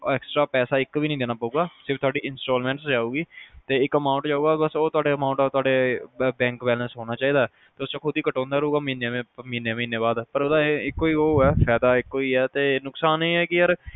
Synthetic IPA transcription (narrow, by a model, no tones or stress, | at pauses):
ɛːksʈɾaːpɛːsaːɪkʋiːnəĩːd̪eːnaːpəuːɡaːsɪɾbt̪ʊaːɖiːɪnsʈoːlmɛ̃ːɳʈsd͡ʒaːuːɡiːt̪eːɪkːəmaːʊ̃ɳʈd͡ʒaːuːɡaːbəsoːt̪ʊaːɖeːəmaːʊ̃ɳʈːt̪ʊaːɖeːbɛ̃ːŋkbɛːlə̃sɦoːnaːt͡ʃaːiːd̪aːɛ | t̪eːʊst͡ʃãːkʰʊd̪iːkəʈɔ̃ːnd̪aːɾəuːɡaːmĩːneẽːmiːneːmĩːneːbaːd̪pəɾoːd̪aɪkːoːiːoːɛːpʰɛːd̪aːɪkːoːiːɛːt̪eːnʊksaːneːɛːkɪjəɾ